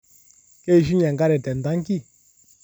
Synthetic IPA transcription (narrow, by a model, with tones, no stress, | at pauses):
ke˦i˨ʃi˦ɲɛ˨ŋɡa˦ɾɛ˨tɛ˨n˨da˨˦ŋ˦ki˦˨